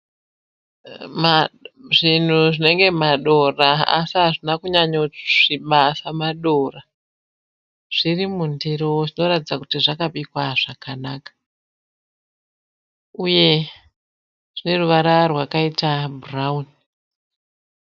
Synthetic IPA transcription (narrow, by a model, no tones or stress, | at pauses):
mʐin̤uʐine̞ŋɡe̞maɗo̞raa̰siɦaʐinakuɲaɲoʐ̥iɓasamaɗo̞ra | ʐ̥irimundiɾowoʐino̞ratid͡zakutiʐakaɓikwaʐ̥akanaːkḁ | uje̞ | ʐine̞ruʋaɾarwakaitaburauni